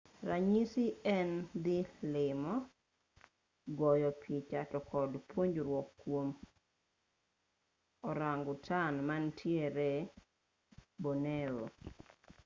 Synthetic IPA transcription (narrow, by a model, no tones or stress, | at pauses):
raɲisiɛnd̪ɪlɪmɔ | ɡɔjɔpʰit͡ʃatɔkɔdpoɲd͡ʒɾwɔkːwom | ɔɾaŋɡʊtʰanmantʰjeɾe | bonewo